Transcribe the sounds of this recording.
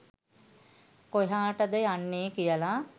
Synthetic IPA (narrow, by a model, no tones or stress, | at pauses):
koɦaːʈəd̪əjanːeːkijəla